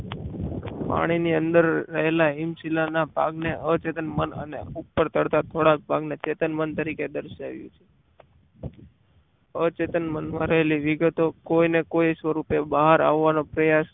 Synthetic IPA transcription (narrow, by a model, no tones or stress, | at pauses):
pa̰ɽ̃iniənd̪əɾːəɦelaɦɪmsilanabʱa̰ɡneʔət͡ʃet̪ənmənə̰nḛupːəɾt̪əɽt̪at̪ʰoɽak̚bʱaɡnet͡ʃet̪ənmənt̪əɾiked̪əɾʃaʋjṵ̃t͡ʃʰe̥ | ət͡ʃet̪ənmənmãɾəɦeliʋiɡət̪okoinekoisʋəɾupebəɦaɾa̰ʋːanopɾəjas